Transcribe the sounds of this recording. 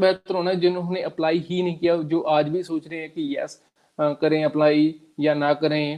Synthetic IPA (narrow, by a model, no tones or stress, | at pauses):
bɛːt̪əɾɦoːnad͡ʒɪnʊɦneʔəplaːiɦinəɦĩːkijaːd͡ʒoːʔaːd͡ʒbʱisoːt͡ʃɾəɛ̃ːkijɛ̰ːs | kəɾẽːəplaːi | jaːnãːkəɾẽː